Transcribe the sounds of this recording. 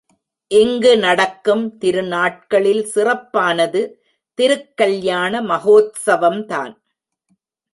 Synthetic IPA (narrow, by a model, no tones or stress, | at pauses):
ʔɪŋɡɯnɐɽɐkːɯmt̪ɪɾɯnaːʈ̚kɐɭɪlsɪrɐpːaːnɐðɯ | t̪ɪɾɯkːɐɭjaːnɐmɐɣoːt̪sɐʋɐmt̪a̰ːn